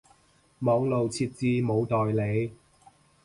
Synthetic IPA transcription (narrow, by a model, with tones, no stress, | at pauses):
mɔː˨˥ŋlo˨wt͡sʰiː˧t̚t͡siː˧mo˨˧wt̪ɔː˨jle˨˧j